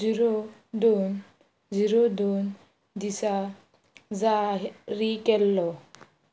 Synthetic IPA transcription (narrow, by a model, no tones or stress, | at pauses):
iɾodon | ziɾod̪on | d̪isa | zaɾikɛlːɔ